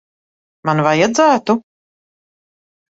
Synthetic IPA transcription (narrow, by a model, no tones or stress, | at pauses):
manvajad̪zæːt̪u